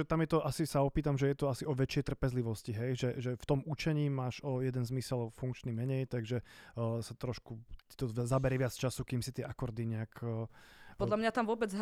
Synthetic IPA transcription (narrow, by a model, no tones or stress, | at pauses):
ɛt̪amjɛt̪ɔʔasisaɔpiːt̪amʒɛjɛt̪ɔasiɔʋɛt͡ʃɪɛjt̪r̩pɛzliʋɔsciɦɛjʒɛʒɛft̪ɔmut͡ʃɛɲiːmaːʒɔjɛd̪ɛnzmisɛlfuŋkt͡ʃnimɛɲɛjt̪aɡʒɛsat̪ɾɔʃku̥t̪ɔzabɛɾɛʋɪat͡st͡ʃasukiːmsit̪ɪɛʔakɔɾd̪iɲɛakː | pɔd̪lamɲat̪amʋʊɔbɛd͡zɦ